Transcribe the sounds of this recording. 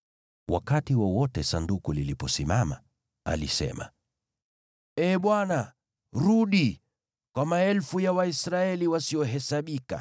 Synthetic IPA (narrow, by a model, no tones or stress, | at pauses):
wʔa̰katiwɔwɔtɛsandukulilipɔsimama | a̰lisɛ̰ma̰ | ɛːɓwana | ɾuɗi | kwamaɛlfujawaisɾaɛliwasiɔɦɛsaɓika̰